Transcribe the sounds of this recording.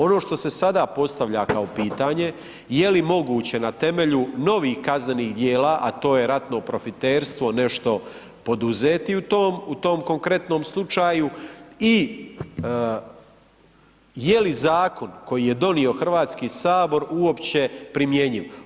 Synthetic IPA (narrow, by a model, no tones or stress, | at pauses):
o̞no̞ːʃt̪o̞se̞sad̪aːpo̞st̪aʋʎakaopiːt̪aːɲe̞ | jelimo̞ɡuːt͡ɕe̞nat̪e̞me̞ʎuno̞ʋiːxkazne̞niːɣd̪jeːlaːʔat̪o̞ːje̞ɾat̪no̞pɾo̞fit̪eːɾst̪ʋo̞ne̞ʃt̪o̞ | po̞d̪uze̞ːt̪iut̪oːmut̪o̞ːmko̞ŋkɾe̞t̪no̞ːmslˠut͡ʃaːjui | jelizaːko̞nko̞jije̞d̪o̞nio̞xr̩ʋaːt̪skiːsaːbo̞ɾuo̞pt͡ɕe̞pɾimje̞ɲiʋ